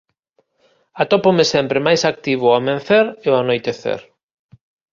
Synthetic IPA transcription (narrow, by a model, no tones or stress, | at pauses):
at̪ɔpomesɛmpɾemajsak̚t̪iβ̞ʊamẽn̟θeɾeoanojt̪eθḛɾ